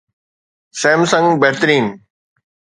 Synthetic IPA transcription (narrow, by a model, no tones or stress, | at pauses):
sẽːmsɐ̃ŋɡbeɦt̪ɾiːn